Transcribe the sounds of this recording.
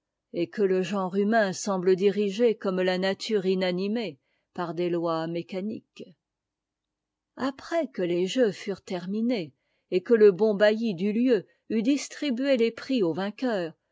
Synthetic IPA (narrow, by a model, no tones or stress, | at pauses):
ekələʒɑ̃ʁymɛ̃sɑ̃bləd̪iʁiʒekɔmlanat̪ʰyːʁinanime | paʁd̪elwamekanḭk | apχɛkəleʒøfyʁt̪ɛʁmineː | kələbɔ̃bajid̪yljø | yd̪ist̪χibyelepχiovɛ̃kʲœːʁ